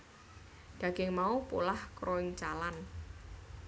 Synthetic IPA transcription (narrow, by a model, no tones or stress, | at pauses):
d̥ä̤ɡ̥ɪŋmaupṵlahkɾʔoɪŋt͡ʃalan